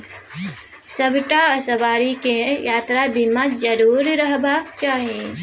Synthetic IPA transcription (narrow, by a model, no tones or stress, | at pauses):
səbʈaəsəbaːɾikejaːt̪ɾabimad͡ʒɐɾuːɾɾəɦbʱaːkt͡ʃaːɦie